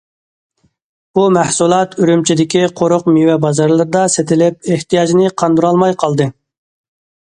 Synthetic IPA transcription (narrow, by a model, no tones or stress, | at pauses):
b̥umæhsulˠɑt̪yɾymt͡ʃʰid̪ɪkʲiqʰoɾʊqmiwɛbɑzɑɾlˠɨɾɨd̪ɑset̪ʰɪlɪp̚eht̪ijɑd͡ʒinɨqʰɑnd̪uɾɑlˠmɑjqʰɑlˠd̪ɨ